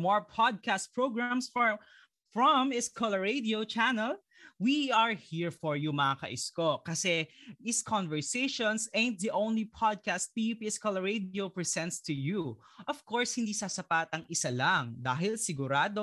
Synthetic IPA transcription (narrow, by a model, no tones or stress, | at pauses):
mɔɹpʰɔd̪̚kast̪̚pɹoɡɹamsfɔɹ | fɹɔmɪskʰɔlɐɹed̪iot͡ʃanɛl | wiɐɹhiɹfɔɹjumɐakɐ̰ʔɪskokɐsɛʔɪskʰɔ̃nvɛɹseɪʃɔ̃nsɛ̃nd̪̚ðiʔõw̃nlipʰɔd̪̚kast̪̚piːjupiːɛskɔlɐɹed̪iopɹɛsɛ̃nt̪st̪ʊju | ʔɔv̥koɹshɪnd̪iːsasɐpat̪ɐŋɪsalaŋd̪aːɦɪlsɪɡʊɾaːd̪o